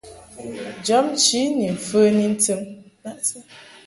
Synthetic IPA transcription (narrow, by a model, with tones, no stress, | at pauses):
d͡ʒɔ˨˦mt͡ʃi˨˦ni˨m̩˨fə˦ni˦n̩˦tɨ˦mna˦˨ʔsə˦